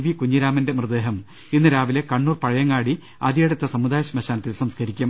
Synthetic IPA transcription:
ʋikuɲːiɾaːmɐndemrɨd̪e̞ːɦɐm | inːɨɾaːʋile̞kɐɳːuːrpɐɻɐjɐŋːɡaːɽi | ɐd̪ijɐɽut̪ːɐsɐmud̪aːjɐɕɐmɐɕaːnɐt̪ːilsɐmskʰɐɾikʲːum

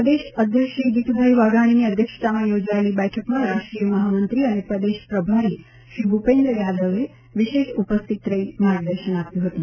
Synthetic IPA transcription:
pɾd̪eɕəd̪ʱjəkʂid̪it̪ʰubʱəjʋaɡaɽ̃iniəd̪ʱjəkʂə̥t̪amajod͡ʒajliːbɛjʈʰəkmaɾaʂʈɾijəmɐɦamənt̪ɾiaɽ̃ipɾəd̪eʃpɾəbʱaɾiː | ɕɾiːbʱupend̪ɾəjad̪əʋe | ʋiʃeʃupəst̪ʰit̪ɾəimaɡd̪əɾʃənapjuɦət̪u

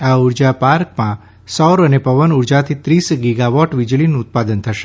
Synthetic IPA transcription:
auɾd͡ʒapaɾkmã | sɔɾənepəʋənuɾd͡ʒat̪ʰit̪ɾisɡiɡaʋɔʈʋid͡ʒɭinũːt̪̚pad̪ənt̪ʰəʃe̥

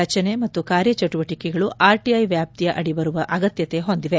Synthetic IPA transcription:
ɐt͡ʃɐne̞mɐt̪ːukaːɾjɐt͡ʃɐʈuʋɐʈikɛɡɐɭuaːɾʈiɐjʋjaːp̚t̪ijɐʔɐɽibɐɾuʋɐʔɐɡɐt̪jɐt̪e̞ɦond̪iʋe̞

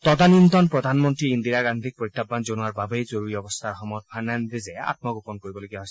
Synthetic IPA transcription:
t̪ɔd̪anint̪ɔnpɹɔd̪ʱanmɔntɹiːnd̪iɹaɡand̪ʱik̚poit̪ʰːabːanzonuaɹbabejzoɹuɹiɔbɔst̪ʰaɹɔxɔmɔt̪̚bʱanand̪izɛa̰t̪̚mɔɡopɔnkoɹibɔloɡijaɦojs

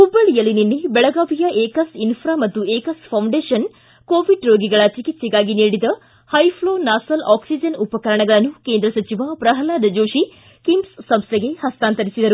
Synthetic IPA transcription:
ubːɐɭijɐlininːebɛɭɐɡaːʋijɐʔeːkɐsinpʰɾaːmɐt̪ːueːkɐspʰɐwɳɖeːʃɐn | koːʋiɖɾoːɡiɡɐɭɐt͡ʃikit̪sɛɡaːɡiniːɽid̪ɐ | hɐjpʰloːnaːsɐlʔaːksid͡ʒɐnupɐkɐɾɐɳɐɡɐɭɐnːukeːnd̪ɾɐsɐt͡ʃiʋɐpɾɐɦɐlaːd̪ɐd͡ʒoːʃi | kimsːɐmst̪ʰɛɡe̞hɐst̪aːnt̪ɐɾisid̪ɐɾu

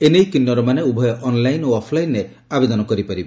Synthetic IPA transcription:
enejkinːɔɾɔmaneubʱɔjɔʔɔnlajnoɔpʰlajnɾe | abed̪ɔnɔkɔɾipaɾibe

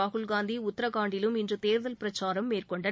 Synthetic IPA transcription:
aːɣʊlɡaːnd̪iʊt̪ːɐɾɐkaːɳɖɪlɯmɪndrɯt̪eːɾðɐlpɪɾɐt͡ʃːaːɾɐmːeːrkɔɳɖɐ

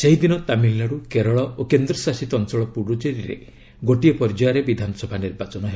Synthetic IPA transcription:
seɦid̪inɔt̪amilːaɽukeɾɔɭɔokend̪ɾɔsasit̪ɔɔnt͡ʃɔɭɔpuɽud͡ʒeɾiɾḛ | ɡoʈiepɔɾd͡ʒɔjaɾebid̪ʱanɔsɔbʱaniɾbat͡ʃɔnɔɦelɔ

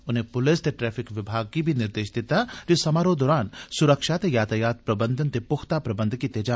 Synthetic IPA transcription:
ʊnɦẽpʊlɪst̪eʈɾɛːfɪkʋɪbʱaːɡ̚kibʱinɪɾd̪eːʃd̪ɪt̪ad͡ʒesɐmaːɾod̪ɔːɾaːnsʊɾəkʃaːt̪ejaːt̪ʰəjaːt̪̚pɾɐbə̃nd̪ʱənt̪epʊxt̪apɾɐbə̃nd̪ʱkit̪ed͡ʒaː

